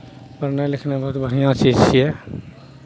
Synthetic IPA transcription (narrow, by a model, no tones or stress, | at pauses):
pəɾnelɪkʰnebɐɦʊt̪bʱəɽ̤ijãt͡ʃid͡ʒt͡ʃʰiɛ